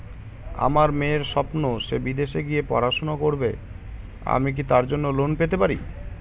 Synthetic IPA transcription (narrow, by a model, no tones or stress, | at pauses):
a̰maɾmẽeɾʃɔpnoʃebid̪eʃeɡijepɔ̰ɾaʃonakoɾbḛ | a̰mik̬it̪aɾd͡ʑonːolonpet̪epaɾi